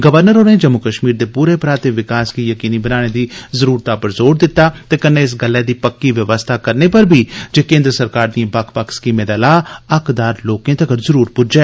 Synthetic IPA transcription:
ɡəʋəɾnəɾoːnẽːd͡ʒəmːʊkəʃmiːɾd̪eːpuːɾeːpɾaːt̪eːʋɪkaːskiːjəkiːniːbənaːɽ̃eːd̪iːzəɾuːɾt̪apəɾzoːɾd̪ɪt̪ːaːt̪eːkənːeːɪs̬ɡəlːɛːd̪iːpəkːiːʋjəʋəst̪ʰaːkəɾneːpəɾbʱiːd͡ʒeːkẽːnd̪ɾəsəɾkaːɾd̪ĩːbəkʰpəkskiːmẽːd̪aːlaːəkd̪aːɾloːkẽːt̪ekəɾzəɾuːɾpʊd͡ʒɛː

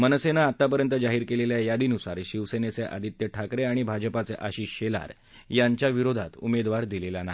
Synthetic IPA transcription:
mənəsenaːt̪ːapəɾjənt̪əd͡zaɦiːɾkeleljajad̪iːnusa̰ɾɕiʋsenet͡seʔa̰d̪ʱit̪jəʈʰakɾeaɽ̃ibʱad͡ʑəpat͡seʔaɕiːɕela̰ɾ | jaɲt͡ɕjaʋiɾod̪ʱat̪ṵmed̪ʋaɾd̪ilelana

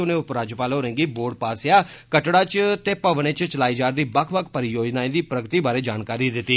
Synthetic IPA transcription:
ʊnẽːʊpɾaːd͡ʒəpaːlɦoːɾɛ̃ːŋɡiːboːɾɖpaːsjaːkəʈɽaːt͡ʃt̪eːpəʋɽ̃ẽːt͡ʃt͡ʃəlaːiːd͡ʒaːɾd̪iːbəkʰbəkʰpəɾɪjoːd͡ʒnaːĩːd̪iːpɾəɡt̪iːbaːɾeːd͡ʒaːnkaːɾiːd̪ɪt̪ːiː

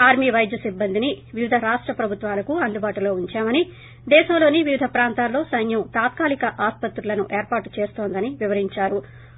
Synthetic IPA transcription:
aːɾmiʋɐjd̪jɐsibːɐnd̪iniʋiʋid̪ʱɐɾaːʂʈɾɐpɾɐbʱut̪ʋaːlɐkuɐnd̪ʱubaːʈɐlo̞ːuɲt͡ʃaːmɐni | d̪ɛːʃɐmlo̞ːniʋiʋid̪ʱɐpɾaːnt̪aːlːo̞ːsɐjnjɐmt̪aːt̪kaːlikɐʔaːspɐt̪ɾulɐnuʔe̞ːɾpaːʈt͡ʃe̞ːst̪o̞ːnd̪ɐniʋiʋɐɾiɲt͡ʃaːɾu

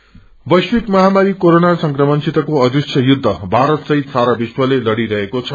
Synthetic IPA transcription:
bʌjswikmʌɦamaɾikoɾonasʌŋkrʌmʌnt͡sʰit̪ʌkoʌd̪it͡sʰjʌjud̪ʱːʌbʱaɾʌt̪sʌɦit̪saɾabiswʌlelʌɽiɾʌɦekot͡sʰʌ

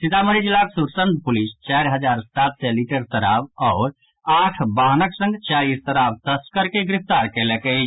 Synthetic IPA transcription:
sit̪aməɾid͡ʒilːaksuɾsənd̪̚pulist͡ʃajɾɦəd͡ʒaɾsat̪sɛliʈəɾt̪əɾabɔːɾ | aʈʰbaɦnəksə̃ŋɡt͡ʃalist̪əɾabt̪əskəɾkeɡɾip̚t̪aɾkelɛke

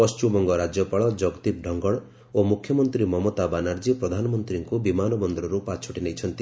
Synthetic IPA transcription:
pɔst͡ʃubɔŋɡɔɾad͡ʒjɔpaɭɔd͡ʒɔɡt̪ip̚ɖʱɔŋɡɔɭ | omukʰjɔmɔnt̪ɾimɔmot̪abanaɾd͡ʒipɾɔd̪ʱanɔmɔnt̪ɾiŋkubimanɔbɔnd̪ɾɔɾupat͡ʃʰɔʈinejt͡ʃʰɔnt̪i

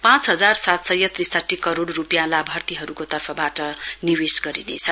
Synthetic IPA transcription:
pãt͡sɦʌd͡zarsat̪sʌjʌt̪risʌʈʰːikʌɾoɽrupjãlabʱʌrt̪iɦʌɾukot̪ʌrpʰʌbaʈʌniwesɡʌɾinḛt͡sʰʌ

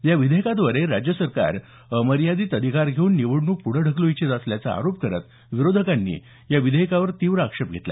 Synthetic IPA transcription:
jaʋid̪ʱekat̪ʋəɾeɾad͡ʑjəsəɾka̰ɾ | əməɾjad̪iːt̪əd̪ʱikaɾɡʱeuːnːiʋəɽnuːpuɽ̤əɖʱəkloit͡ɕet̪əsljat͡saa̰ɾopkəɾə̰t̪ | ʋiɾod̪ʱəkanːḭː | jaʋid̪ʱekaʋəɾt̪iʋɾəakʂəp̚ɡʱet̪la̰

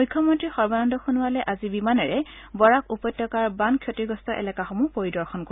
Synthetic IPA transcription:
ujkʰːjɔmɔntɹixɔɹbanɔndɔxunʊwalɛʔazibimanɛɹɛbɔɹakupɔjtːɔkaɹbankʰjotiɡɔstɔʔɛ̰lɛkaxɔmupoɹidɔɹxɔnko

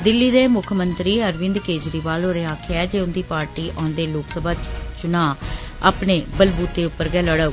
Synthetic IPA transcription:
d̪ɪlːiːd̪eːmʊkʰmənt̪ɾiːəɾʋɪ̃nd̪keːd͡ʒɾiːʋaːlɦoːɾeːaːkʰeɛːd͡ʒeːʊnd̪iːpaːɾʈiːʔãːnd̪eːloːksəbʱaːt͡ʃʊnãː | aːpɳeːbəlbuːt̪ːeːʊpːəɾɡɛːləɽə

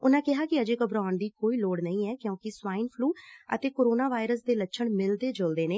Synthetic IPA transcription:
ʊnãːkɪɦaːkɪəd͡ʒeːkəbɾaːnd̪iːkoːiːloːɽnəĩːɛːkjõːkɪsʋaːiːnpʰluːə̰t̪eːkoːɾoːnaːʋaːɪɾəsd̪eːlətːʃʰəɳmɪld̪eːd͡ʒold̪eːneː

